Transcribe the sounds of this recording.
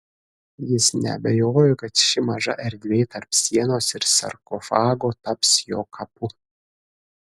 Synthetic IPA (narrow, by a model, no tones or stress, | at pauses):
jɪsnʲɛ̰ɐ̰bʲɛjoːjokɐt̪ʃɪmɐʒɐ̰ʔɛɾʲd̪ʲʋʲeːjt̪ɐɾpsʲiɛnoːsɪɾsɐ̰rkofɑːɡoːt̪ɐpsjo̰ːkʰɐpʰu